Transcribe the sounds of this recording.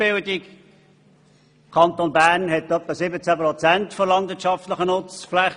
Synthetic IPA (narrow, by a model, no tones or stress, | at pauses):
b̥ɪldɪk | kʰɑnt̪onbæɾnhɛtœpːəsɪbət͡sæpɾɔt͡sæntfolɑnd̪vɪətt͡ʃɑftləχənʊt͡sflæ